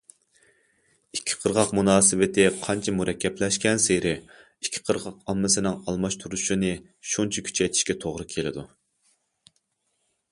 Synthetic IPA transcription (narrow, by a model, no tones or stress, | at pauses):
ikʲʰːɪ̥qʰəɾʁɑqmunɑːsɪvɪt̪ʰɪqʰɑnt͡ʃʰɛmuɾɛkʲːɛplɛʃkʲɛnseɾɪ | ikʲʰːɪ̥qʰəɾʁɑqɑmːɪsɪnɨŋɑlˠmɑʃt̪ʰuɾuʃunɨ | ʃunt͡ʃʰɛkʲʰy̥t͡ʃʰɛjt̪ʰɪ̥ʃkʲɛt̪ʰoʁɾɨkʲʰelɪ̰d̪u